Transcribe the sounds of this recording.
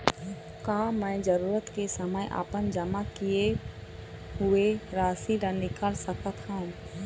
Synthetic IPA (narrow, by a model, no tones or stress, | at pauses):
kaːmɛ̃ːd͡ʒəɾuːɾət̪kesəməjʔa̰ːpənd͡ʒəmakije | ɦʊeɾaːsiɾənɪkəlsəkət̪ɦã